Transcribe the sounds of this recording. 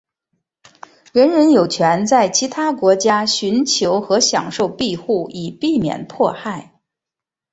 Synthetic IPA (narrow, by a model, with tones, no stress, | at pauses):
ɻə˧˥nɻə˧˥njo˨˩ʊt͡ɕʰɥɛ˧˥nt͡sa˥˩ɪt͡ɕʰi˧˥t̪ʰa˥kwɔ˧˥t͡ɕja˥ɕy˧˥nt͡ɕʰjo˧˥ʊxɤ˧˥ɕjɑ̰˨˩ŋʂo˥˧ʊpi˥˧xu˥˩i˨˩pi˥˩mjɛ̰˨˩npʰwɔ˥˧xa˥˩ɪ